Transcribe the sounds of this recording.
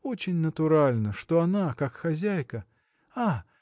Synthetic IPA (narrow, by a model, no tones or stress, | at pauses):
ot͡ɕɪnʲnət̪ʊɾalʲnəʂt̪oɐnakakxɐzʲæjkə | a